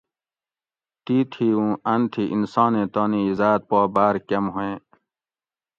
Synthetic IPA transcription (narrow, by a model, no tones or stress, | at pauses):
t̪iːt̪ʰiːũɐnt̪ʰiʔḭnsãːnẽːt̪oːniizaːt̪̚pɔːbaːɾkɐmɦoẽ